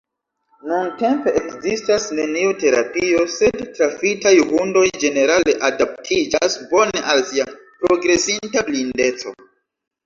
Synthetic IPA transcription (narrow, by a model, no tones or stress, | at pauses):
nunte̞mpe̞ʔekzistasne̞niute̞ɾapio̞se̞dtɾafitajhundo̞jd͡ʒe̞ne̞ɾale̞ʔadap̚tʰid͡ʒasbo̞ne̞ʔalsiapɾo̞ɡɾe̞sintablinde̞t͡so̞̰